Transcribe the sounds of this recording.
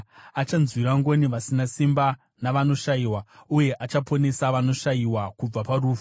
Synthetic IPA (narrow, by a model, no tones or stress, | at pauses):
at͡ʃanzwiraŋɡo̞niʋasinasimba | naʋano̞ʃaiwauje̞ʔat͡ʃapo̞ne̞saʋano̞ʂajiwakub͡vaparuːfu̥